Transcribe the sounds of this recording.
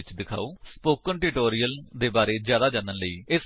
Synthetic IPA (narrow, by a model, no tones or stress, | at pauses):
ɪt͡ʃd̪ɪkʰa̰ːoːspoːkənʈɪʈoːɾiːəld̪eːbaːɾeːzjaːd̪aːd͡ʒãːnd̪ənləiːɪs